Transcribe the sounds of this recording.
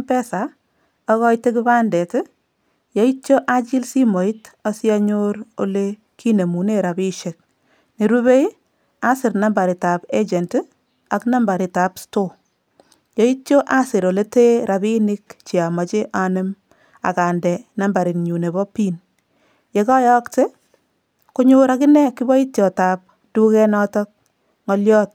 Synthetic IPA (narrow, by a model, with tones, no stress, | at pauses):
pɛ˦sa˨ | ɔ˦ɣɔ˦jtːe˦k̬ɪ˦ba˦ndɛ˨tɪ˦ | jɔ˦i˦t͡ʃo˦ʔa˦t͡ʃi˦lsi˦mo˨i˦tɔ˦sja˦ɲoɾo̰˨le˦ | kʰi˦ne˨mu˨ne˦ɾa˨bi˦ʃe˨k̚ | ne˨ɾu˦be˦j | a˦sɪ˨ɾna˦mba˨ɾi˨ta˨pe˦d͡ʒɛ˨nt | a˨kna˦mba˨ɾɪ˨ta˨psto˦ | jɔ˦i˦tjo˦ʔa˦sɪ˨ɾo˨le˦te˦ɾa˨bi˦nɪ˦kt͡ʃi˨a˨ma˨t͡ʃe˦ʔa˦nɪ˦m | a̰˨ka˨ndɛ˨na˦mba˨ɾɪ˨nɲu˨ne˨bɔ˦piː˦n | je˨kɔ˦jɔ˦kte˦ | ko˦ɲo˦ɾakɪ˦nɛ˦kɪ˦bɔ˦i˦tjɔ˨ta˨p̚ | d̥u˦kɛ˦nɔ˦tɔ˦k̚ | ŋɔ˦ljɔ˦t̚